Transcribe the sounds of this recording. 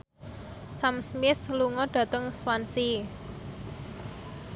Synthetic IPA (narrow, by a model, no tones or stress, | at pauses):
samsmɪθluŋɔɖ̥ä̤t̪əŋswansi